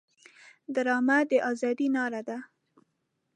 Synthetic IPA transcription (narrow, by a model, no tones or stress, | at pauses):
d̪aɾɑmad̪əʔɑzɑd̪inɑɾad̪a